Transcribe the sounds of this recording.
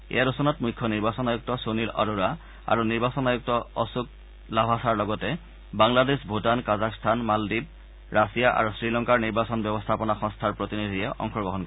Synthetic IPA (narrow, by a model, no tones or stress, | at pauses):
ḛjaɾɔsɔnɔtmujkʰːɔniɹbasɔnajuk̚tɔsonilɔ̰ɹuɹa | a̰ɹuniɹbasɔnajuk̚tɔɔsuk̚ | labʱasaɹlɔɡɔtɛ | baŋladesbʱutankazakstʰanmaldib̚ | ɹasijaʔa̰ɹusɹilɔŋkaɹniɹbasɔnbjɔbɔstʰapɔnaxɔŋstʰaɹpɹotinid̪ʱijɛʔɔ̰ŋxɔɡɔɦɔnkɔɛ